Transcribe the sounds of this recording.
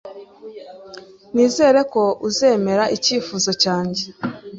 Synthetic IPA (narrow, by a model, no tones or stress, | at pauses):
niːze̞ːɾe̞ko̞uze̞ːme̞ɾaʔiciːfuːzo̞caːɲɟe